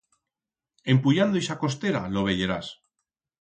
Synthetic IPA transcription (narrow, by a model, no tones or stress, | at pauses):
e̞mpuʎand̪ojsako̞st̪eɾa̰lo̞β̞e̞ʝe̞ɾas